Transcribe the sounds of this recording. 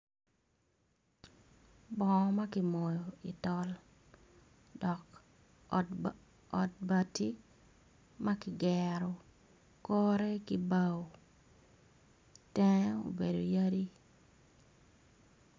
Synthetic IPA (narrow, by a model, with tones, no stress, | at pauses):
bɔ˨˦ma˦kɪ˨mɔ˨jo˨i˨tɔ˦l | dɔ˨k | ɔ˨t̚ba˨ti˦ | ma˦kɪ˨ɡɛɾɔ˨ | kɔ˦ɾɛ˦ki˦ba˦w | tɛ˦o̰˨be˨do˨ja˦di˦